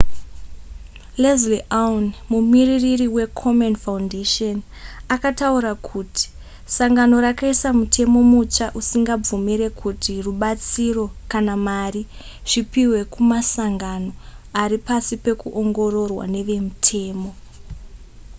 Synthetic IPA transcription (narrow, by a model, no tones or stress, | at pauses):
lezliʔaunmumiriririwe̞kʰo̞monfaundeʃon | akatauɾakʰutʰi̥ | saŋɡano̞ɾakaisamutʰe̞mo̞mut͡ʃaʔusiŋɡab͡vumiɾe̞kʰutiruɓat͡siro̞kanamari | ʐ̥ipiwe̞kumasaŋɡano̞aɾipasipe̞kuʔoŋɡo̞ɾo̞rwa̰ne̞ʋe̞mutʰe̞ːmo̞